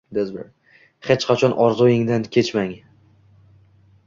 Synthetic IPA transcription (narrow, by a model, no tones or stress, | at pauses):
d̪ezbḛɾ | χet͡ʃqʰɑt͡ʃʰɒnʔɒɾzɒjɪŋd̪ankʲʰe̞t͡ʃmaŋ